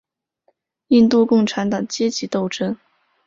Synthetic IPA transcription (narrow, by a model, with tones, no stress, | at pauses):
i˥˧nt̪u˥˧kʊ˥˩ŋʈ͡ʂʰa˧˥nt̪ɑ˨˩ŋt͡ɕjɛ˥t͡ɕi˧˥t̪o˥˩ʊʈ͡ʂʰə˥n